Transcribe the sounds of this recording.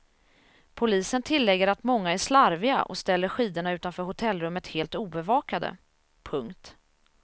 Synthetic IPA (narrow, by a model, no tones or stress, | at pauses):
pʰʊliːsənt̪ʰɪlːɛɡːəɾat̪mɔŋːaæʂlaɾvɪa̰ʔɔ̰st̪ɛlːəɾɧiːd̪əɳaʉ̟ːt̪anfœːɾhʊt̪ʰɛlːɾɵmːət̪heːlt̪uːbɛvɑːkad̪ə̰ | pʰɵŋkt̪